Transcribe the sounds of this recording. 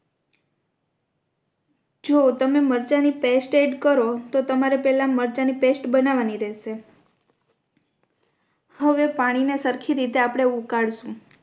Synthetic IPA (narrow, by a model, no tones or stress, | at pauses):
d͡ʒot̪əmeməɾt͡ʃanipesʈeɖkəɾot̪ot̪əmaɾepɛlaməɾt͡ʃanipesʈbənaʋaniɾeʃe | həʋepaɽ̃inesəɾkʰiɾit̪eapɽ̃eukaɽʃũ